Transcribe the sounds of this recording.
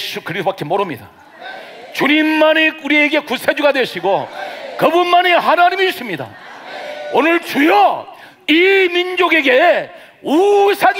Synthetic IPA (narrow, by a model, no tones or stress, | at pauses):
ɕʰkɯɾiobak͈emoɾɯmɲida̰ | t͡ɕuɲimːaniuɾie̞ɡe̞kusʰed͡ʑuɡadweɕʰiɡokɯbunmaniɦanaɲimis͈ʰimɲida̰ | onɯɭt͡ɕujʌ | imind͡ʑoɡe̞ɡe̞ | usʰaɡ